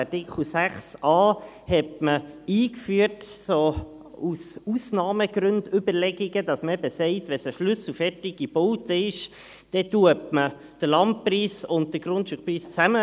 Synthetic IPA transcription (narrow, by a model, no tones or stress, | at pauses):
ɑtɪkʰl̩sæχsɑː | hɛtməiːkfyːət | soː | ususnɑːməɡ̥ɾɵndʏbəɾlɛɡ̥iɡ̥ədɑsməɛbəsɛɪtʋɛsəʃlʏsl̩fɛrtɪɡ̥ib̥ɔwtəɪʃ | d̥ɛtuəpmə | d̥əlɑnt̚priːsʊnt̚d̥̪əɡ̥ɾʊntʃukpɾiːst͡sæmə